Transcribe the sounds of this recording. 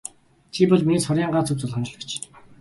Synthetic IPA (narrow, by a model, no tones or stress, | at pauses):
t͡ɕʰipɔɮminiːsχɔɾʲaːɴɢaːt͡sʰɵw̚t͡sʊɮχɔ̆nt͡ɕ̆ɮə̆kt͡ɕ